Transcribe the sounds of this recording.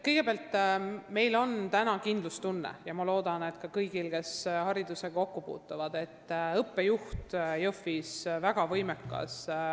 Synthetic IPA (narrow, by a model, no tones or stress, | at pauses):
kɤjɡ̥e̞peɑlt̪ːme̞jlo̞nt̪ænɑkind̪̥lust̪unːḛjɑmɑlo̞ːd̪̥ɑne̞t̪ˑkɑkɤjɡ̥ilke̞shɑɾid̪use̞ko̞kːupṵːt̪ːˑuvɑd̪e̞t̪ːɤpːe̞juht̪jɤfːisvæɡ̥ɑvɤjmekːˑɑ̰s